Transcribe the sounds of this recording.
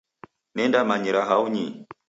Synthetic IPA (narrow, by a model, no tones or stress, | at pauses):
nɛndamaɲiɾaɦauɲi